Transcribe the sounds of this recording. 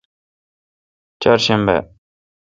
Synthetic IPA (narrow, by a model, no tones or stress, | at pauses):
t͡ɕarɕənpɛ̰